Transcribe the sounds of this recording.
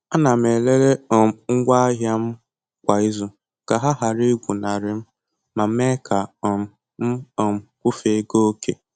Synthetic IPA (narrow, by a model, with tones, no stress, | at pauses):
a˦na˨m̩˨e˨le˦ɾe˦˨m˨ŋ̩˦ɡʷa˦a˦ɦja˦m̩˦ | kʷa˨i˦zʊ˨ | ka˨ɦa˦ɦa˨ɾɪ˦ɡʷu˨na˨ɾɪ˨m̩˦ | ma˨m̩˦me˦kʰa˨ɔ˨m̩˨ | m̩˦ɔ˨m˨kʷʊ˦fe˨˦ɡo˦ke˨